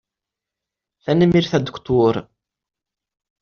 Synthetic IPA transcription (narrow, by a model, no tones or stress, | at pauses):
θænəmiɾθæd̪ə̥kt̪ˤʊɾ